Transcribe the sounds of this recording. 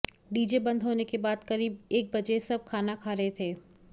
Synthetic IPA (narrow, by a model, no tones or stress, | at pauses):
ɖiːd͡ʒebɐ̃nd̪ʱɦoːnekebaːd̪kɐɾiːb̚eːk̚bɐd͡ʒesɐb̚kʰaːnakʰaːɾɐɦet̪ʰeː